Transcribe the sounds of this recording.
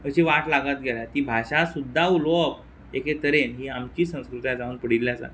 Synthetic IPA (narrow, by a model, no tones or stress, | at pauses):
əɕiʋaʈlaɡət̪̚ɡeljat̪iːbʱaɕasud̪ʱːaulop | eket̪əɾenɦiːamt͡ɕiːsə̃w̃skɾut̪jad͡zauːnpəɽilːjasa̰